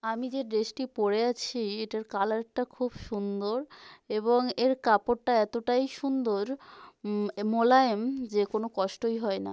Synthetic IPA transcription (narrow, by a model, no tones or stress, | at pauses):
amid͡ʑeɖeʃʈipoɾeat͡ɕʰieʈaɾkalaɾʈakʰubʃund̪oɾeboŋeɾkapoɾʈaɛt̪oʈajʃund̪oɾ | molaemd͡ʑekonokɔʃʈojɦɔena̰